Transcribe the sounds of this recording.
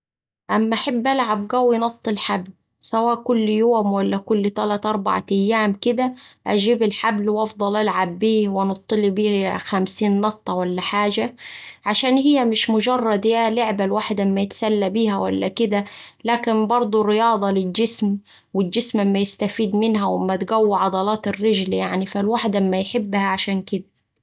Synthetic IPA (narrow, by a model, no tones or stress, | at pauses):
ʔamːʔaħabːʔalʕab̚ɡæwijnɑt̪ˤːɨlħabl | sawaːʔkʊlːjoːmwalːækʊlːt̪ælaːt̪ʔɑɾˤba̰ʕa̰ʔajːaːmkɪd̪æʔad͡ʒiːbɪlħablwʔɑfd̪ˤɑlʔalʕabːiːwɪnɑt̪ˤːɨlibiːxamsiːnnɑʔ̚t̪ːˤɑwalːaħaːd͡ʒaʕaʃaːnhɪjːamɪʃmʊd͡ʒɑrˤːɑd̪jalʊʕbalwaːħɪd̪ʔɪmːajɪt̪salːabiːhawa̰lːakɪd̪alaːkɪnbɑɾˤd̪ˤurːɪjɑːd̪ˤɑlɪld͡ʒɪsm | wɪld͡ʒɪsmʔɪmːajɪst̪afiːd̪mɪnɦawɪmːat̪ɡawːɪʕɑd̪ˤɑlɑːt̪ɪrːɪd͡ʒljaʕnifalwaːħd̪aʔmːajħɪbːhaʕaʃaːnkɪd̪a